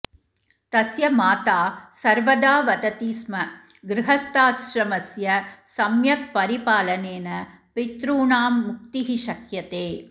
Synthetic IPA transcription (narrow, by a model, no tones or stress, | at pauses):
t̪ɐsjɐmaːt̪aːsɐɾʋɐd̪aːʋɐt̪ɐt̪iːsmɐ | ɡɾɪɦɐst̪aːsɾɐmɐsjɐsɐmjɐk̚pɐɾipaːlɐneːnɐ | pit̪ɾuːɳaːmːʊk̚t̪iɦiʃɐkjɐt̪eː